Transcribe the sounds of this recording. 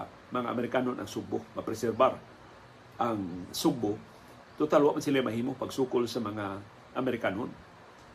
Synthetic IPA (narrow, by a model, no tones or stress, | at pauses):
maŋa̰ːmeɾikanʊnʔa̰ŋsuk̚bʊhmapresɛrbar | aŋsuk̚bʊh | t̪ut̪aluaʔmənsilemaɦimʊhpaɡsukʊlsəmaŋa | ameɾikanʊn